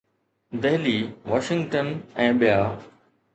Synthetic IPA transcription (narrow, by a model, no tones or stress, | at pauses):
d̪eɦliːʋaːʃɪ̃ŋɡʈənɛ̃ːɓɪjaː